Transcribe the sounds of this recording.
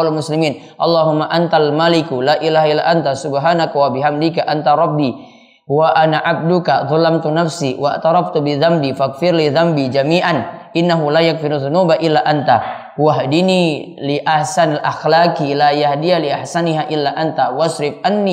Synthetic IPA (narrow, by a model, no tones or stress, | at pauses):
alamʊslimiːn | ʔɑlˤːaɦʊmːaʔant̪almalikulaːʔilaɦaʔilːa̰ʔant̪asubɦaːnakawabɪɦamd̪ikaʔant̪aɾˤɑbːi | waʔanaʕab̚dukaðˤɑlamt̪unafsiwa̰ʔt̪ɑɾˤɑft̪ubɪðambifak̚fɪɾliðambid͡ʒamiːʔanʔɪnːaɦulaːjak̚fɪɾðunuːbaʔɪlːaʔant̪a | waɦdini | liʔaħsanalʔaxlakilajahdialiʔaħsaniɦaʔɪlːaʔant̪awaʃɾɪfʔanːi